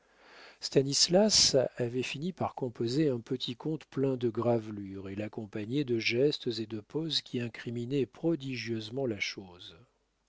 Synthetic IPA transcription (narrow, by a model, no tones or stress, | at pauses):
st̪anislasavɛfinipaʁkɔ̃pozeɛ̃pət̪ʰikɔ̃t̪plɛ̃d̪əɡʁavlyʁelakɔ̃paɲed̪əʒɛst̪zed̪əpozkʲʰiɛ̃kχiminɛpχɔd̪iʒjøzmɑ̃laʃoz